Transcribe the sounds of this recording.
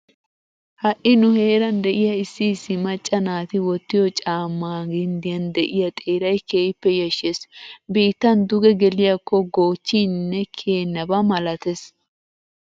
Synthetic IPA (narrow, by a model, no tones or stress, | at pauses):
hɐʔɪnʊhe̞ːɾɐnd̪ɛʔɪjɐɪsːɪːsːɪmɐt͡ʃʼːɐnaːt̪ɪwɔt̪ːɪjɔt͡ʃʼaːmːaːɡɪnd̪ɪjɐnd̪ɛʔɪjɐt̪ʼeːɾɐjkeːjɪpːɛjɐʃːesbiːt̪ːɐnd̪ʊɡɛɡɛlɪjɐkːɔɡo̞ːt͡ʃːiːnːɛkʰeːnːɐbɐmɐlɐt̪ɛs